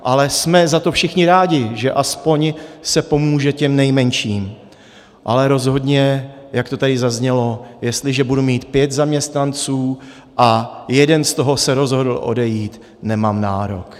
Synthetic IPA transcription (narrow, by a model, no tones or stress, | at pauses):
ʔalɛsmɛzat̪ofʃɪxɲɪɾaːɟɪʒɛʔaspo̞ɲsɛpo̞muːʒɛcɛmnɛjmɛɲʃiːm | ʔa̰lɛɾo̞zɦo̞dɲɛjakt̪ot̪adɪzazɲɛlo̞jɛst̪lɪʒɛbudumiːt̪pjɛt̪zamɲɛst̪nant͡suː | ʔajɛdɛnst̪o̞ɦo̞sɛɾo̞zɦo̞dl̩ʔo̞̰dɛjiːt̪ | nɛmaːmnaːɾo̞̰k